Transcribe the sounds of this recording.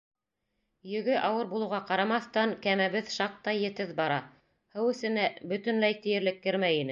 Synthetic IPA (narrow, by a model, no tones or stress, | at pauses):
jɵ̆ɡɘʔɑwɤɾbulˠɤ̆wʁɑqɑɾɑmɑθt̪ɑŋkæmæβɘðʃɑq̚t̪ɑjɘ̆t̪ɘðbɑɾɑ | hɘwɘ̆sɘ̆næbɵ̆t̪ɘ̆nlæjt̪ĭjɘ̆ɾlɘkːɘ̆ɾmæjinɘ